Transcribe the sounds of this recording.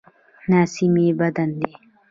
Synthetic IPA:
naːsimebɐd̪ɐnd̪e

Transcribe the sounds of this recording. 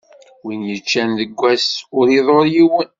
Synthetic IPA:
winjət͡ʃːænðəɡʷːæsʊɾiðˤoɾjiwən

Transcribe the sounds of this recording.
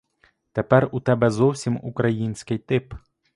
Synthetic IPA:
t̪ɛpɛɾut̪ɛbɛzɔwsʲimukɾajinsʲkɪjt̪ɪp

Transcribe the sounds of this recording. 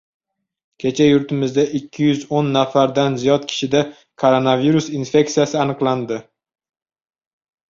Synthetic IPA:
kʲʰe̞t͡ʃʰajʊɾt̪ʰɪmɪzd̪aʔɪkʲʰːɪjʏzonːafaɾd̪anzijɒt̪kʲʰɪ̥ʃɪd̪a | kʰoɾonaviɾusinfe̞k̚t̪ijasɪanɨqlˠand̪ɪ

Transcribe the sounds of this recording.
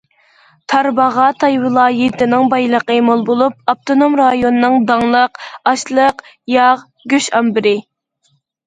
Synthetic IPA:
t̪ʰɑɾbɑʁɑt̪ʰɑjwɨlˠɑːjit̪ɪnɪŋbɑjlˠəqəmolˠbolˠup̚ɑp̚t̪ʰonomɾɑjonɨnɨŋd̪ɑŋlˠəqɑʃlˠəq | jɑʁ | ɡʲøʃɑmbɪɾɪ

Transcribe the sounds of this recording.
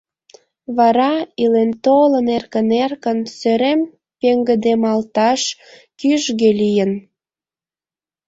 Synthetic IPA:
βɑɾɑilent̪olənerkənerkənsøɾem | peŋɡəd̪emɑlt̪ɑʃ | kyʒɣelijən

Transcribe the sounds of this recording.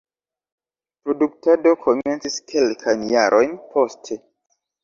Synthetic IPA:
pɾo̞duk̚tado̞kʰo̞me̞nt͡siskʰe̞lkʰajnjaɾʔo̞jnpʰo̞stʰe̞

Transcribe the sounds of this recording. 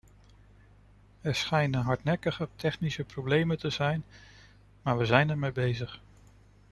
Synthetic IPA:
ɛɹsχɛjnənɦɑɹtnɛkəχətʰɛχnisəprowblejməntəzɛjn | maːɹʋəzɛjnɛɹmejbejzəχ

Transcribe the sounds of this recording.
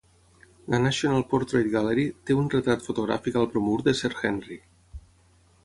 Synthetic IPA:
lanaʃionalˠpoɾt̪ɾejt̪ɡaleɾit̪eunret̪ɾat̪fot̪oɣ̞ɾa̰fikalˠpɾomuɾd̪esɛɾxɛnri

